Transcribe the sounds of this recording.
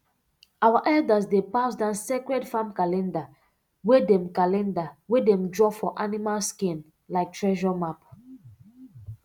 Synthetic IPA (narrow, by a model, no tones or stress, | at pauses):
awaʔɛldasdepasdãnsekɹɛdfãmkalɛ̃nda | wedɛ̃mkalɛ̃ndawedɛ̃mdɹɔfɔʔanimalskĩn | laɪk̚tɹɛʒɔmap